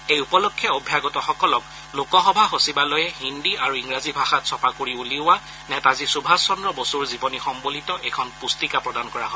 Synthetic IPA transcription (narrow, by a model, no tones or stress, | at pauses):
ejupɔlokʰːjɛobʱjaɡɔtɔxɔkɔlɔk | lokɔxɔbʱaxosibalɔjɛhindiaɹuiŋɹazibʱaxatsɔpakoɹiuliʊwa | nɛtazisubʱasɔndɹɔbosuɹzibɔnixɔmbolitɔʔɛkʰɔnpustikapɹɔdankɔɹaɦɔ